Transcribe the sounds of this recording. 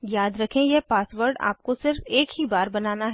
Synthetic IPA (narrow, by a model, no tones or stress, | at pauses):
jaːd̪ɾɐkʰẽjɛpaːsʋəɾɖa̰ːp̚kosɪɾfeːkɦibaːɾbɐnaːnaɦɛː